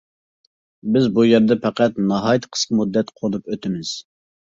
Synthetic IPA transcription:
bɪzbujɛɾd̪ɛpʰæqæt̪nɑɦɑjt̪ʰqʰə̥sqəmud̪ːɛt̪qʰolˠupøt̪ʰɪmɪz̥

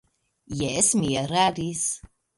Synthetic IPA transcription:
jɛɛsmiɛɾaːɾis

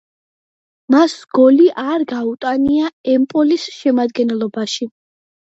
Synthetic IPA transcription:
masɡ̥ɔliʔaɾɡaut̪ʼaniaɛmpʼɔlisʃɛmad̪ɡɛnɛlˠɔbaʃi

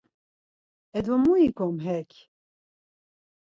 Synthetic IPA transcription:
ɛd̪wɔmuikomɦɛkʲ

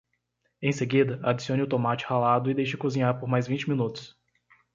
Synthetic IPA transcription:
ẽj̃seɡid̪ɐad͡ʒisiõnɪʊt̪omat͡ʃɪ̥halad̪ʊɪd̪ejʃɪkozĩɲaɾpoɾmajzvĩnt͡ʃɪmĩnut̪ʊ̥s

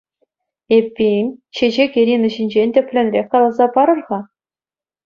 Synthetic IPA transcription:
epʲːenʲɕeʑekʲeɾʲinɘ̆ʑinʲd͡ʑenʲd̪ʲɘ̆pʲlʲɘ̆nʲlʲekːɑlˠɑzɑpɑɾɤ̆rʁɑ

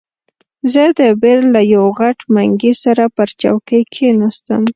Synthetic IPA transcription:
zəd̪əbeɾlajawɣaʈmaŋɡisaɾapəɾt͡ʃa̰wkəjkʰenast̪əm

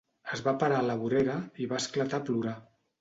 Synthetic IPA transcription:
əzβapaɾaləβuɾeɾəiβaəsklat̪apluɾa

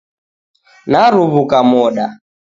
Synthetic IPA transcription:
naɾuβukamɔɗa

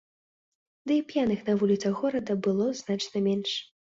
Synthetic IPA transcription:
d̪ɨipjanɨxnɐvulʲit̪sɐɣɔɾɐd̪ɐbɨlˠɔznat͡ʂnɐmʲɛnʂ

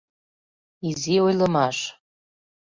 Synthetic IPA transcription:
iziojlɤmɑʃ

